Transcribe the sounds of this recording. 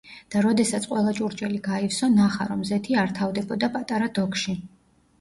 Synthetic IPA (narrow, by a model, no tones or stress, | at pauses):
d̪̥aɾɔd̪ɛsat̪sʰʼqʼwɛlˠat͡ʃʼuɾt͡ʃʼɛliɡaifsɔnaχaɾɔmzɛt̪ʰiaɾt̪ʰavd̪ɛbɔd̪apʼat̪ʼaɾad̪̥ɔkʰʃi